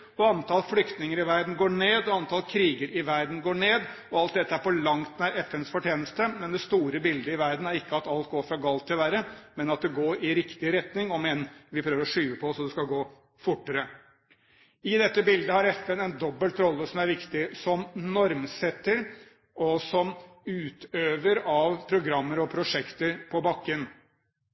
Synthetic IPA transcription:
ɔɑnt̪ʰɑlflʏkt̪nɪŋəɾɪʋæɾd̪n̩ɡoːɳeːd̪ɔɑnt̪ʰɑlkʰɾiːɡəɾɪʋæɾd̪n̩ɡoːɳeːd̪ | ɔɑlt̪̚d̪ɛt̪ːəæɾfɔɭɑŋt̪næɾɛfɛnsfɔʈjeːnəst̪əmɛnd̪ɛst̪uːɾəbɪld̪əɪʋæɾd̪n̩æɾɪkːəɑt̪ɑlt̪̚ɡoːɾfɾɑɡɑlt̪ʰːɪlʋæɾəmɛnɑt̪̚d̪ɛɡoːɾɪɾɪkt̪ɪɾɛt̪nɪŋɔmɛnʋɪpʰɾøːʋəɾɔʂyːʋəpʰɔsɔd̪ɛskɑɡoː | fʊʈːəɾə | ɪd̪ɛt̪ːəbɪld̪əhɑɾɛfɛnɛnd̪ɔbːəlt̪ɾɔlːəsɔmæɾʋɪkt̪ɪsɔmnɔɾmsɛt̪ːəɾ | ɔsɔm | ʉːt̪ʰøːʋəɾɑʋpʰɾʊɡɾɑmːəɾɔpʰɾʊʂɛkt̪əɾpʰɔbɑkːən

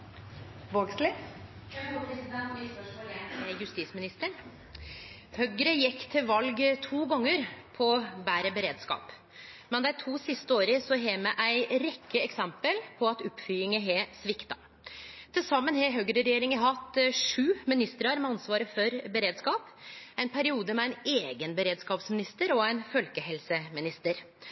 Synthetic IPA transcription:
ʋoːɡslɪ | pɾsɛspː | jʉst̪iːsmɪnɪst̪əɳ | hœɡɾəjɪkːt̪ʰɪlʋɑlɡt̪ʰuːɡɔŋːəɾpʰɔbæːɾəbəɾeːd̪skɑ̰ːp | mɛnd̪æɪt̪ʰuːsɪst̪əoːɾəsɔɦɛmɛʔæɪɾɛkʰːəɛksɛmpəlpʰɔɑt̪ʊpfʏːɪŋəɦɛsʋɪkt̪ɑ | t̪ʰɪlsɑmːənɦɛɦœɡɾəɾɛjeːɾɪŋəɦɑt̪ːʂʉːmɪnɪst̪ɾɑɾmɛɑnsʋɑːɾəfɔɾbəɾeːd̪skɑːpæɪnpʰæɾɪuːd̪əmɛæɪneːɡənbəɾeːd̪skɑːpsmɪnɪst̪əɾɔæɪnfœlkəɦɛlsəmɪnɪst̪əɾ

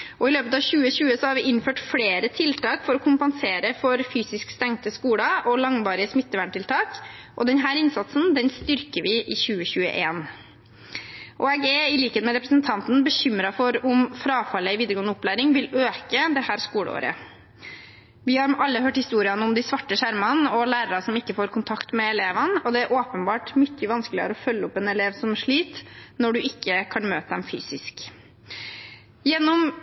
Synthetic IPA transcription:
ʔɔɪløːpət̪ɑːʋçʉːəɕʉːəsɔhɑɾʋɪʔɪnføːʈfɽeːɾət̪ʰɪlt̪ʰɑːkfɔɾɔkʰʊmpɑnseːɾəfɔɾfyːsɪskst̪æŋt̪əskuːɽɑʔɔlɑŋʋɑːɾɪəsmɪt̪ːəʋæɳʈɪlt̪ʰɑːkʔɔ̰d̪ɛnɦæːɾɪnsɑt̪snd̪ɛnst̪ʏɾkəʋɪʔɪçʉːəçʉːə̰ʔeːn | ʔɔɛɡɛɪliːkənmɛɾɛpɾəsənt̪ʰɑnt̪n̩bəɕʏmɾɑfɔɾʊmfɾɑːfɑlːəɪʋiːd̪əɾɡoːnəʊplæːɾɪŋʋɪløːkəd̪ɛhæːɾskuːɽə̰o̰ːɾə̰ | ʋɪhɑɾɑlːəɦøːʈhɪst̪uːɾɪənəʊmd̪ɪsʋɑʈːəʂæɾmɑnɔlæːɾəɾɑsɔmɪkːəfoːɾkʰʊnt̪ʰɑkt̪mɛːleːʋənɔd̪ɛæɾʔoːpənbɑːʈmʏçːəʋɑnskəlɪə̰ɾɔfœlːəɔpːɛnɛleːʋsɔmʂɭiːt̪nɔɖʉɪkːəkʰɑnmøːt̪əd̪ɛmfy̰ːsɪsk | jɛnːɔm

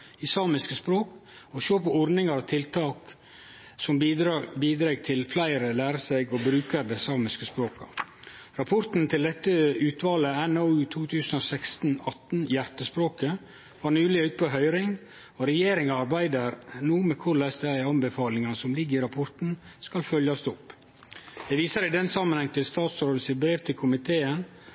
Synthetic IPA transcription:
ɪsɑːmɪskəspɾoːk | ɔʃøːpɔɔɾd̪nɪŋɑɾɑt̪ʰɪlt̪ʰɑːk | sɔmbiːd̪ɾeːɡt̪ʰɪlflæɪɾəlæːɾəsæɪɡɔbɾʉːkəɾd̪ɛsɑːmɪskəspɾoːkɑ̰ | ɾɑpʰɔɾt̪n̩t̪ʰɪld̪ɛt̪ːəʉːt̪ʋɑːləɛnoʉːt̪ʰuːt̪ʰʉːsənoːsɛkst̪n̩ɑt̪n̩jæɾt̪əspɾoːkə | ʋɑːɳʉːlɪʉːt̪̚pʰoɦœʏɾɪŋ | ɔɾɛjeːɾɪŋɑɑɾbæɪd̪əɾnuːmɛkʰʊɭæsd̪æɪɑmbəfɑːlɪŋɑnsɔmlɪɡəɪɾɑpʰɔɾt̪n̩skɑlfœljɑst̪ɔpː | d̪̥ɛʋiːsəɾɪd̪ɛnsɑmːənhɛŋt̪ɪlst̪ɑːt̪sɾoːd̪əsɪt̪̚bɾeːʋt̪ʰɪlkʰʊmɪt̪ʰeːən

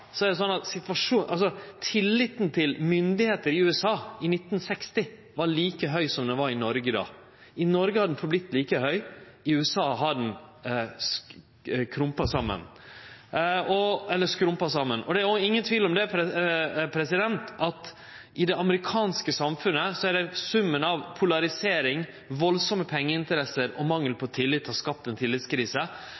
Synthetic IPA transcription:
sɔæɾɖ̪ɛs̬ɔnːɑt̪sɪt̪ʋɑʂuːʔɑls̬ɔt̪ʰɪlːɪt̪nt̪ʰɪlmʏnd̪ɪheːt̪əɾɪʉːɛsɑːɪnɪt̪nsɛkst̪ɪ | ʋɑɭiːkəɦœʏsɔmd̪ɛʋɑɾɪnɔɾɡəd̪ɑ̰ː | ʔɪnɔɾɡəhɑd̪ɛn̩fɔɾblɪt̪ːliːkəhœʏ | ɪʉːɛsɑːɦɑd̪ɛn | s | kʰɾʊmpɑsɑmːə̰n | ɔɛlːəʂkɾʊmpɑsɑmːənɔd̪ɛæɾɪŋːənt̪ʰʋiːlɔmd̪ɛɛpʰɾɛsɪd̪ɛnt̪ʔɑt̪ | ɪd̪ɛɑməɾɪkʰɑːnskəsɑmfʉnːəsɔæɖɛsʉmːənɑʋpʰʊlɑɾɪseːɾɪŋ | ʋɔlsɔməpʰɛŋːəɪnt̪əɾɛsəɾɔmɑŋːəlpʰɔt̪ʰɪlːɪt̪ʰːɑskɑp̚t̪ɛnt̪ʰɪlːɪt̪skʰɾiːsə

